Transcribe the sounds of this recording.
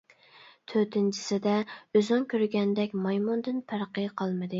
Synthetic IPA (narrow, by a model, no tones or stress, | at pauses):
t̪ʰøɾt̪ʰɪnt͡ʃʰɪ̥sɪd̪ɛøzɑŋkʲʰøɾɡʲɛnd̪ɛkʲmɑjmund̪ɪnpʰæɾqəqʰɑlˠmɨd̪ɨ